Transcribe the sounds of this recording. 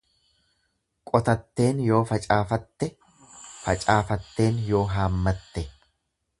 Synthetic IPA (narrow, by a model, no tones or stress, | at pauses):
kʼɔt̪ɐt̪ːe̞ːnjo̞ːfɐt͡ʃʼaːfɐt̪ːɛ | fɐt͡ʃʼaːfɐt̪ːe̞ːnjo̞ːɦaːmːɐt̪ːɛ